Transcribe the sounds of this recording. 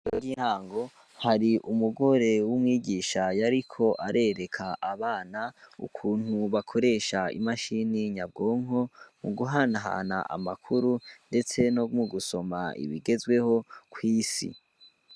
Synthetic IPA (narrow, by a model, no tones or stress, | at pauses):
oɡinhaːŋɡo̞ | haɾiʔumuɡo̞ɾe̞wumŋiːɡiːʃajaɾikʰo̞ʔaɾʔe̞ɾe̞kʰaʔaβaːnaṵkʰuːnhuβakʰo̞ɾe̞ːʃaḭmaʃiniɲab̚ɡo̞ːŋo̞muɡuɦanaɦa̰na̰ʔa̰makʰuɾunde̞t͡se̞nomuɡuso̞ma̰ḭβiɡe̞zwe̞ho̞kʰwiːsḭ